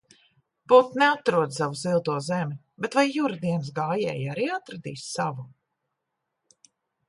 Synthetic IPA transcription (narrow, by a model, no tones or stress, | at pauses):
put̪nɛat̪ɾuɔd̪savuzilˠt̪uɔzɛmʲi | bet̪vajːuɾad̪iɛns̬ɡaːjɛ̰ːjaɾiːat̪ɾad̪ḭːssavu